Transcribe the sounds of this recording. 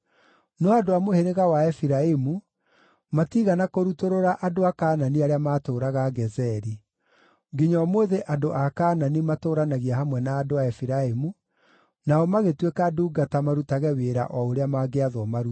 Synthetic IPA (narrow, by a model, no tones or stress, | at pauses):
nɔadoamoheɾeɣawaɛfiɾaemu | matiɣanakoɾutoɾoɾaʔadoakaːnaniaɾeamaːtoːɾaɣaɡɛzɛɾi | ɡiɲɔmoðeʔadoʔakaːnanimatoːɾanaɣiahamwɛnaːdoaɛfiɾaemu | naɔmaɣetwekaduːɡatamaɾutaɣɛweɾa̰ʔɔoɾeamaːɡeaðwɔmaɾu̥